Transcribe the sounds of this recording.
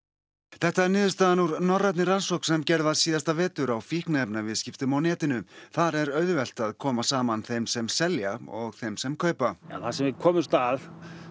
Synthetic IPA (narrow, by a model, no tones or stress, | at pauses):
θɛht̪aɛɾnɪːðʏst̪aːðanuɾnɔrːajt̪nɪransɔwhksɛmcɛɾðasiːðast̪avɛːt̪ʏɾawfihknaɛpnavɪðscɪft̪ʏmawnɛːt̪ɪnʏθaɾɛɾœːɥðʏvɛl̥t̪aðkʰɔːmasaːmanθejmsɛmsɛljaɔɣθejmsɛmkʰœːɥpaa̰θasɛmvɪkʰɔːmʏst̪að